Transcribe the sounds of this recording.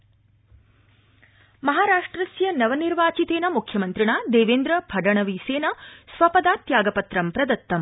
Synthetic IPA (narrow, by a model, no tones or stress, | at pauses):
mɐɦaːɾaːʂʈɾɐsjɐnɐʋɐniɾʋaːt͡ʃit̪eːnɐmukʰjɐmɐnt̪ɾiɳaːd̪eːʋeːnd̪ɾɐbʱɐɖɐɳɐʋiseːnɐsʋɐpɐd̪aːt̪jaːɡɐpɐt̪ɾɐmpɾɐd̪ɐt̪ːɐm